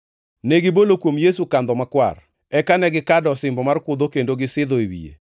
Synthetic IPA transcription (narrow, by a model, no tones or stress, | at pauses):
neɡɪbolokwomjesukand̪ɔmakwa̰r | ɛkanɛɡɪkadɔsɪmbɔmarkʊd̪okendoɡɪsɪd̪ɔewḭjḛ